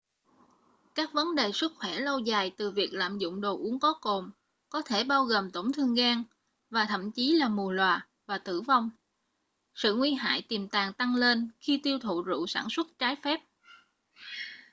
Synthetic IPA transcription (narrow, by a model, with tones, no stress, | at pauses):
kaː˦˥k̚və˨˦nɗe˨˩sɨ˦˥tk̚xwɛ˧˩lə˧wzaː˨˩jt̪ɨ˨˩vi˨˩ək̚la̰ː˧˨mzʊ̰˧˨ŋ͡mɗo˨˩ʔu˨˦əŋkɔ˨˦ko˨˩m | kɔ˨˦t̪ʰe˧˩ɓaː˧wɣoː˨˩mt̪o˧˩wŋ͡mt̪ʰɨ˧əŋɣaː˧ŋ | vaː˨˩t̪ʰə̰˧˨mt͡ɕi˨˦laː˨˩mu˨˩əlwaː˨˩ | vaː˨˩t̪ɨ̰˧˩va˧wŋ͡m | sɨ̰˧˨ŋwi˧ɦa̰ː˧˨jt̪i˨˩mt̪aː˨˩ŋt̪a˧ŋle˧nxi˧t̪i˧əwt̪ʰṵ˧˨zṵ˧˨saː˧˩nswə˦˥t̚t͡ɕaː˨˦jfɛ˦˥p̚